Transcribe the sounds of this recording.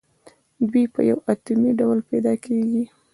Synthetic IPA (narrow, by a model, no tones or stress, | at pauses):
d̪wipə̰ja̰wat̪umiɖawlpajd̪ɑkʰeɡi